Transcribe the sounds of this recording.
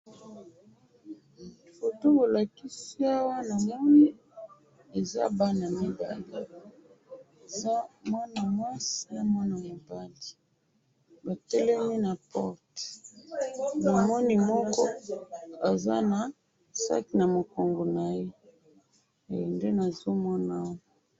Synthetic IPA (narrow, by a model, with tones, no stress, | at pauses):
fo˨to˦ko˨la˨ki˦si˦a˦wa˦na˨mɔ˦ni˦ | e˨za̰˦ba˦na˨mi˨ba˦li˨ | e˨za˦mwa˦na˨mwa˦si˦ja˦mwa˦na˨mo˨ba˦li˨ | ba˨tɛ˦lɛ˦ni˦na˨pɔ˦ʁt | na˨mɔ˦ni˦mɔ˦kɔ˦ | a˨za̰˦na˨ | sa̰˦ki˨na˨mo˨ko˨ŋɡo˨na˨je˦˨ | jo˨nde˦na˨zo˦mɔ˦na˦˨